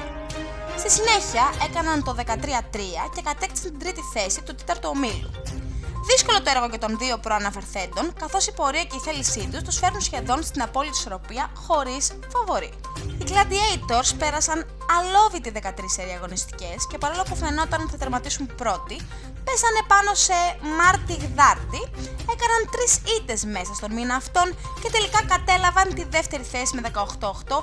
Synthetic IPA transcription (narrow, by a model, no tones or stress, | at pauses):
st̪isine̞çiɐʔe̞kɐnɐnt̪o̞ðe̞kɐt̪ɾiɐt̪ɾiɐce̞kɐt̪ekt̪i̥sɐnt̪id̪ɾit̪iθe̞sit̪ut̪et̪ɐɾt̪uomilṵðisko̞lo̞t̪oeɾɣo̞ʝɐt̪o̞nðio̞pɾo̞ɐnɐfe̞ɾθe̞nd̪o̞ŋkɐθo̞sipo̞ɾiɐce̞iθe̞lisit̪ust̪usfe̞ɾunsçe̞ðo̞nst̪inɐpo̞lit̪i̥so̞ɾo̞piɐxo̞ɾis | fɐvo̞ɾi | iɡlɐd̪iejt̪o̞ɾspe̞ɾɐsɐn | ɐlo̞vit̪iðe̞kɐt̪ɾiseɾiɐɣo̞nist̪i̥ce̞sce̞pɐɾolopufneno̞t̪ɐnθɐt̪ɐɾmɐt̪isumpɾo̞t̪i | pe̞sɐne̞pɐno̞se̞mɐɾt̪iɣðɐɾt̪ie̞kɐnɐnt̪ɾisit̪e̞zme̞sɐst̪o̞nminɐːft̪o̞n | ce̞t̪e̞likɐkɐt̪e̞lɐvɐnt̪iðe̞ft̪e̞ɾiθe̞sime̞ðe̞kɐoxt̪o̞oxt̪o̞